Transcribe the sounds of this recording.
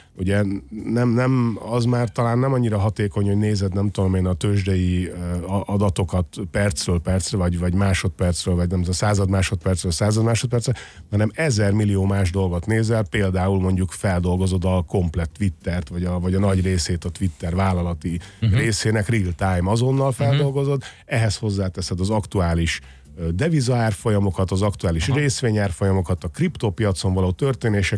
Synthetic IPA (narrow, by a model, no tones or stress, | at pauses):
uɟɛnɛmnɛmɒzmaːrt̪ɒlaːnːɛmɒɲːiɾɒɦɒt̪eːko̞ɲhoɟneːzɛd̪nɛmt̪ud̪omeːnɒt̪øːʒd̪ɛji | ɒd̪ɒt̪o̞kɒt̪pɛrt̪srøːlpɛrt̪srɛvɒɟvɒɟmaːʃo̞t̪pɛrt̪srøːlvɒɟnɛmt̪saːzɒd̪maːʃo̞t̪̚pɛrtsrøːlsaːzɒd̪maːʃo̞t̪̚pɛrt̪srɛhɒnɛmɛzɛrmilːijoːmaːʒd̪o̞lɡo̞t̪neːzɛlpeːld̪aːulmo̞ɲɟukfɛld̪o̞lɡo̞zo̞d̪ɒko̞mplɛt̪ːʋit̪ːɛrt̪ʋɒɟɒvɒɟɒnɒɟreːseːt̪ɒt̪ʋit̪ːɛrvaːlɒlɒt̪ireːseːnɛkrilt̪ajmɒzo̞nːɒlfɛld̪o̞lɡo̞zo̞d̪ | ɛɦɛsho̞zːaːt̪ɛsɛd̪ɒzɒkt̪uaːliʃ | d̪ɛvizɒaːrfo̞jɒmo̞kɒt̪ɒzɒkt̪uaːliʃreːsʋeːɲaːrfo̞jɒmo̞kɒt̪ɒkript̪oːpiɒt̪so̞ɱvɒloːt̪ørt̪eːneːʃɛ